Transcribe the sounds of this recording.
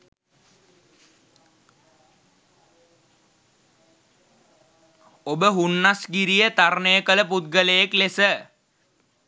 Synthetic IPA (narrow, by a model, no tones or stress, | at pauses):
obəɦunːasɡiɾijət̪arnejəkələput̪̚ɡələjeklesə